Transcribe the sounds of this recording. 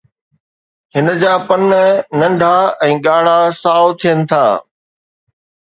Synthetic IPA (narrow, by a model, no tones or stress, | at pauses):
hɪnə̆d͡ʑaːpɐnnɐ̃ɳɖʱaɛ̃ːɠaːɽ̤asaːʊt̪ʰijənɪ̆t̪ʰa̰ː